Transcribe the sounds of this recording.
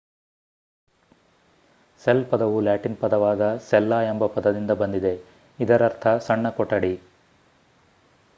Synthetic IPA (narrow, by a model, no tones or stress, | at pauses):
selpɐd̪ɐʋulaːʈinpɐd̪ɐʋaːd̪ɐsɛlːaːembɐpɐd̪ɐd̪ind̪ɐbɐnd̪id̪e̞ | id̪ɐɾɐɾt̪ʰɐsɐɳːɐkɔʈːɐɽi